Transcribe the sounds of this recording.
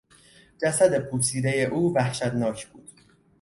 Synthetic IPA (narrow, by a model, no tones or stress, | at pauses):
d͡ʒæsæd̪e̞pʰuːsiːd̪e̞je̞ʔuːvæhʃæd̪nɒːcʰb̥uːd̪̥